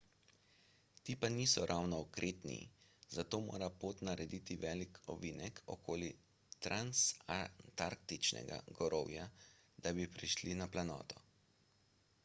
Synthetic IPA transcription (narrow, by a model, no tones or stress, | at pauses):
t̪iːpaniːsɔɾʔawnɔːkɾʔeːt̪nḭz̥at̪oːmo̰ːɾapoːt̪naɾɛd̪iːt̪iʋɛːlikʰɔ̰ʋiːnɛkʰɔ̰koːli | t̪ɾʔanst̪aɾk̚t̪it͡ʃnɛ̰ɡa̰ɡɔɾɔwja | d̪abipɾiʃlinaplanɔ̰ːt̪ɔ